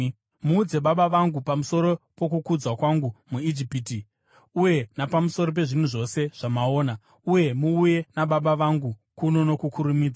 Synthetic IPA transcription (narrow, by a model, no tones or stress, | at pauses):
muːd͡ze̞ɓaɓaʋaŋɡupamuso̞ɾo̞po̞kukud͡zwakwaŋɡumuid͡ʒipiːti | uje̞napamuso̞ɾo̞p̬e̞ʐin̤uʐo̞se̞ʐ̥amao̞ːna | uje̞muːje̞naɓaɓaʋaŋɡukuno̞no̞kukʰuɾumiːd͡zwa